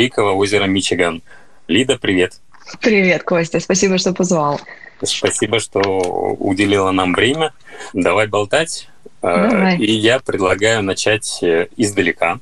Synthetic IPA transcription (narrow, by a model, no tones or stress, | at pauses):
ikəvəo̞zʲɪɾəmʲɪt͡ɕɪɡan | lʲid̪əpɾʲɪvʲe̞t̪ | pɾʲɪvʲe̞t̪kosʲtʲəspɐs̬ʲibəʂt̪opɐzvalˠspɐsʲibəʂt̪oʊ̰dʲɪlʲilˠənamvɾʲemʲə | d̪ɐvajbɐlˠt̪atʲ | d̪aajijapɾʲɪd̪lˠɐɡajʊnɐt͡ɕætʲɪzd̪əlʲɪka